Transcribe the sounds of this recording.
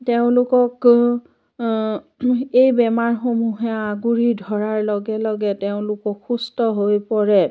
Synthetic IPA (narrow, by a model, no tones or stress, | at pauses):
teʊ̃lʊkɔk | ejbɛmaɹxomuɦɛaɡuɹidʱɔɹaɹlɔɡɛlɔɡɛteʊ̃lʊkɔkxustɔɦojpɔɹɛ